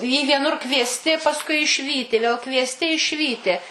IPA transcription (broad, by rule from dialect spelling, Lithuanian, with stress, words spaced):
iː ʋʲiɛˈnʊr kʋʲiɛsʲˈtʲɪ pɐsˈkʊɪ ɪʃʲˈʋʲiːtʲɪ ʋʲeːlˠ kʋʲiɛsʲˈtʲɪ ɪʃʲˈʋʲiːtʲɪ